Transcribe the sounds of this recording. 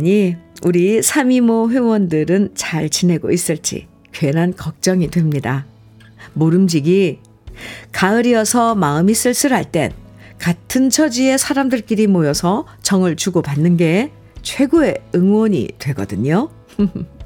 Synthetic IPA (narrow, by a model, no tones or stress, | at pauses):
ɲiuɾisʰamimoɸwe̞wʌndɯɾɯnt͡ɕaɭt͡ɕine̞ɡo̰is͈ɯɭt͡ɕ͈ḭ | kɥe̞nɦankʌk̚t͡ɕ͈ʌŋidwe̞mɲida | moɾɯmd͡ʑiɡi | kaɯɾiʌsʰʌmaɯmis͈ɯɭs͈ɯɾɦaɭt͈e̞̰n | katʰɯnt͡ɕʰʌd͡ʑie̞sʰaɾamdɯɭk͈iɾimojʌsʰʌ | t͡ɕʌŋɯɭt͡ɕuɡopanːɯnɡe̞ | t͡ɕʰwe̞ɡoe̞ɯŋwʌɲḭtwe̞ɡʌ̰dɯɲo